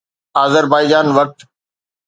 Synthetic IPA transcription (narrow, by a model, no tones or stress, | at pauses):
aːzəɾbaːid͡ʑaːnʋɐk̚ʈ̪